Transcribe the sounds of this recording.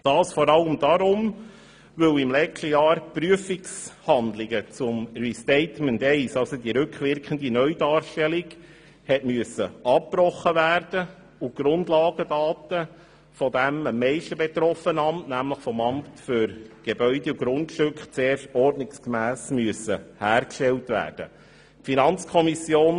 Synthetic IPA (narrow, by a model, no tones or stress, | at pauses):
d̥ɑːsfɔɾɑləmd̥ɑɾʊm | ʋɵwɪmlɛt͡ʃtəjɑːɾpɾyəfɪkshɑnd̪lɪɡət͡sʊmɹistɛɪtməntɛɪsɑlsodiɾʉkχʋɪɾkχəndinœʏdɑːɾʃtɛlɪɡ | hɛtmyəsəɑppɾɔχːəvæːɾd̥ə | uɡ̥ɾʊndlɑːɡədɑːtə | fɔdæməmːɛɪʃtəbet̪ɾɔfənəɑmtnæmləχfɔmɑmptfʏɾɡ̥ebœʏdɛuɡ̥ɾʊntʃtʉkχt͡seːɾʃtɔrdnɪkskmæːsmyəsəhæːɾkʃtɛltʋæ̰ːrd̥ə̰ | finɑnt͡skʰɔmisjoːn